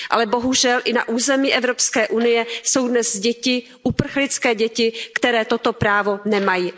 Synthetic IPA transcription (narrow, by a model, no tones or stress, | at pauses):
ʔa̰lɛbo̞ɦuʒɛlʔɪna̰ʔuːzɛmiːʔɛvɾo̞pskɛːʔunɪjɛso̞wdnɛzɟɛcɪ | ʔupr̩xlɪt͡skɛːɟɛcɪkt̪ɛɾɛːt̪ot̪o̞pɾaːvo̞nɛmajiː